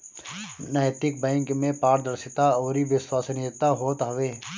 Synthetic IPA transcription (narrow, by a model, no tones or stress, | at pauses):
nɛːt̪ɪk̚bɛ̃ːŋkmẽpaːɾd̪əɾsɪt̪aɔːɾiʋɪswaːsnɪjət̪aɦoːt̪ɦɐʋeː